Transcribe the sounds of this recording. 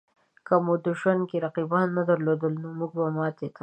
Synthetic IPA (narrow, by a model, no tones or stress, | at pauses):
kamod̪uʃwankeɾaqibanːad̪aɾlod̪əlnomuɡ̚bamɑt̪ek̪ʰa